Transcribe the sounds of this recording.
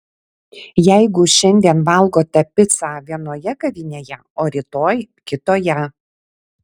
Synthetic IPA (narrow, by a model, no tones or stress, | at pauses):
jɛˑɪɡʊʃʲɛnʲd̪ʲiɛnʋɐlˠɡoːt̪ɐpʲɪt̪sɑːʋʲiɛnoːjɛɡɐʋʲɪnʲeːjɛ | oːɾʲɪt̪oːjkʲɪt̪oːjɛ